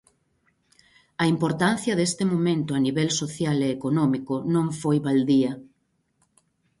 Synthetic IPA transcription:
ɐimpoɾt̪an̟θjɐðest̪ɪmomẽnt̪ʊaniβɛlsoθjaleːkonɔmikonõŋfojβald̪iɐ

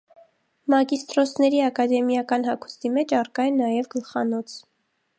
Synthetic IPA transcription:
mɑɡist̪ɾɔsnɛɾiɑkɑd̪ɛmjɑkɑnhɑkʰu̥st̪imɛt͡ʃʰɑɾkɑɛnɑjɛvɡəlχɑnɔt͡sʰ

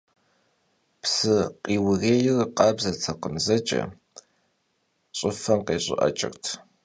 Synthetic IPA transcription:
psɨqʼiːwɨreːjɪrqʼɑːbzɐt͡sʰɐqəmzɐt͡ʃʼɐ̰ | ɕʼɪfɐmqeːɕʼɪ̰ʔɐ̰t͡ʃʼɪ̰rtʰ

